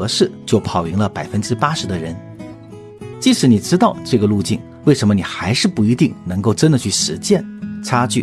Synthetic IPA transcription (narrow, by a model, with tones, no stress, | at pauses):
ɤ˧˥ʂɻ̩˥˩t͡ɕjo˥˩ʊpʰɑ˨˩ʊi˧˥ŋlə˧pa˨˩ɪfə˥nʈ͡ʂɻ̩˥pa˥ʂɻ̩˧˥d̪ə˧ɻə˧˥n | t͡ɕi˥˧ʂɻ̩˧˥ni˨˩ʈ͡ʂɻ̩˥t̪ɑ˥˧ʊʈ͡ʂɤ˥˩ɡə˩lu˥˧t͡ɕi˥˩n | we˥˩ɪʂə˧˥nmə˧ni˨˩xa˧˥ɪʂɻ̩˥˧pu˥˩i˧˥t̪i˥˩ŋnɤ˧˥ŋko˥˩ʊʈ͡ʂə˥nd̪ə˨t͡ɕʰy˥˩ʂɻ̩˧˥t͡ɕjɛ˥˧nt͡sʰa˥t͡ɕy˥˩